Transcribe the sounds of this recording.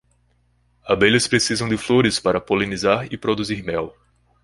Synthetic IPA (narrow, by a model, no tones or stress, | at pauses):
abeʎɐspɾesizɐ̃w̃d̪ɪfloɾɪspaɾɐpolẽnizaɾɪpɾod̪uziɾmɛw